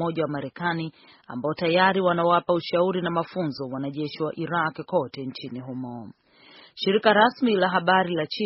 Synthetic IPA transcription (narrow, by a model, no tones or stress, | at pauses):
ɔʄawamaɾɛkani | a̰mbaɔtajaɾiwanawapauʃauɾinamafunzɔwanaʄɛʃiwaʔiɾakkɔtɛnt͡ʃiniɦumɔ | ʃiɾikaɾasmilaɦaɓaɾilat͡ʃi